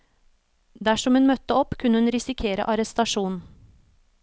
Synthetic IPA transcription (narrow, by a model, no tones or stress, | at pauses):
d̪æʃɔmhʉnmœt̪əɔpkʰʉnəhʉnɾɪsɪkʰeːɾə̰ʔɑɾɛst̪ɑʃuːnn̩